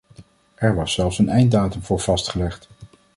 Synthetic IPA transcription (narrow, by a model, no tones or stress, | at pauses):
ʔɛɹʋɑsːɛlˠfsənɛjn̚daːtəmvʊːɹv̥ɑstχəlɛχt